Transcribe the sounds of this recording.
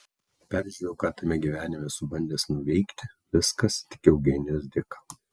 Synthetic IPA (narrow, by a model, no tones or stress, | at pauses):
pʲæːɾʲʒʲuɾʲɛʊkɑːt̪ɐmʲɛɡʲiʋʲæːnʲɪmʲɛsʊbɐnʲd̪ʲeːsnʊʋʲɛɪkt̪ʲɪ | ʋʲɪskɐst̪ʲɪ̥kʲɛʊɡʲɛnʲɛsd̪ʲɪkɐ